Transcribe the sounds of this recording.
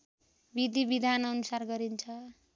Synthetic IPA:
bid̪ʱibid̪ʱanʌnusarɡʌɾint͡sʰʌ

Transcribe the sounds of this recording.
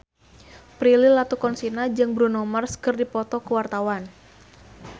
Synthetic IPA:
pɾilɪlat̪ukɔnsinad͡ʒɨŋbɾunɔmarskɨrdipɔt̪ɔkəwart̪awan

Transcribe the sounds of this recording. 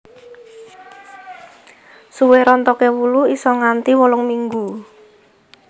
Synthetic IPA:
suweɾɔnt̪ɔkɛwuluisɔŋant̪iwɔlɔŋmiŋɡu

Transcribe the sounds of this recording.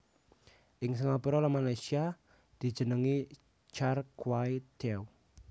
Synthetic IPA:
ʔɪŋsəŋapuɾɔlamalajsia | d̪̥i̤d̥d͡ʒ̥ə̤nəŋi | t͡ʃarkwaid̪̥ɛw

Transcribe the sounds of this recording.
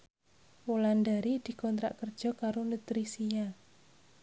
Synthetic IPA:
wuland̪aɾid̪̥i̤kɔnt̪ɾa̰ʔkərd̥ʒ̥ɔ̤kaɾonut̪ɾisia

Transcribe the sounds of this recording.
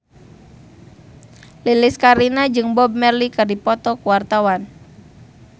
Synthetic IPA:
lilɪskaɾinad͡ʒɨŋbɔb̚mɛrlikɨrdipɔt̪ɔkuwart̪awan

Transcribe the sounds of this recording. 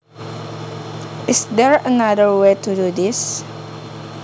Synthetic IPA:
ʔɪsdɛɹənadəɹwetududis

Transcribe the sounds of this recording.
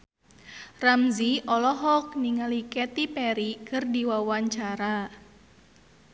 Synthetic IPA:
ramziʔɔlɔɦɔk̚niŋalikɛt̪ipɛɾikərdiwawaɲt͡ʃaɾa

